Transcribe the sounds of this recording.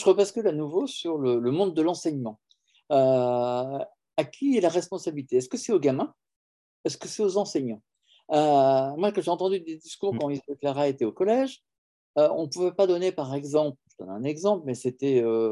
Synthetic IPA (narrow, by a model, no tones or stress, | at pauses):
ʒəʁəbaskølanuvosyʁlələmɔ̃d̪d̪ːəlɑ̃sɛɲmɑ̃ | ø | akʲʰiɛlaʁɛspɔ̃sabilit̪eɛskəsɛoɡamɛ̃ | ɛskəsɛozɑ̃sɛɲɑ̃ | ømwakɑ̃ʒeɑ̃t̪ɑ̃d̪yd̪ed̪iskuʁkɑ̃ilseklaʁaet̪ɛokɔlɛʒ | øɔ̰̃puvɛpad̪ɔnepaʁɛɡzɑ̃plʒ̥əd̪ɔ̰nɛ̰̃nɛɡzɑ̃plmɛset̪ɛø